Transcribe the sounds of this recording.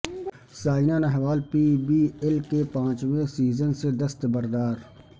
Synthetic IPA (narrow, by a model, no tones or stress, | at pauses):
saːɪnanɛɦʋaːlpiːbiːelkepãːt͡ʃʋẽsiːzənsed̪ɐst̪bɐɾd̪aːɾ